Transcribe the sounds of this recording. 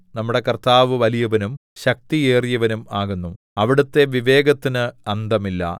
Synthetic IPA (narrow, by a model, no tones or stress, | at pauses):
nɐmːuɽe̞kɐrt̪aːʋɨʋɐlijɐʋɐnumɕɐk̚t̪ieːrijɐʋɐnumaːɣunːu | ɐʋiɽut̪ːe̞ʋiʋe̞ːɡɐt̪ːinɨɐnd̪ɐmilːɐ̰